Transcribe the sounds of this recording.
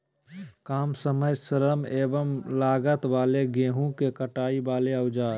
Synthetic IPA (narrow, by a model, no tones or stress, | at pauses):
kaːmsəməjsələmeːbəmlaːɡət̪ʋaːleɡẽːɦũkekəʈaːibaːleəʊd͡ʒaː